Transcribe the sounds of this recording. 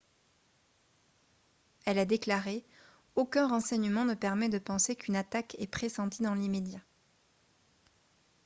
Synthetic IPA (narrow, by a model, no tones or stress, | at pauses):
ɛlɛd̪eklaʁe | okʲɛ̃ʁɑ̃sɛɲəmɑ̃nəpɛʁmɛd̪əpɑ̃sekynat̪akɛpχesɑ̃t̪id̪ɑ̃limed̪ja